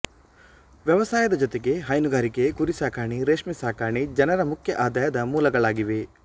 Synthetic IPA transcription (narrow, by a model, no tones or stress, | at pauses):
ʋjɐʋɐsaːjɐd̪ɐd͡ʒot̪eɡeɦɐjnuɡaːɾikekuɾisaːkaːɳiɾeːʂmisaːkaːɳid͡ʒɐnɐɾɐmukʰjɐʔaːd̪aːjɐd̪ɐmuːlɐɡɐɭaːɡiʋe